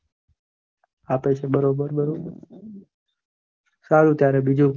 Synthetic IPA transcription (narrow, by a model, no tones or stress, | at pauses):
aːpet͡ʃʰebəɾobəɾbəɾo | saːlũːt̪jaːɾebid͡ʒũ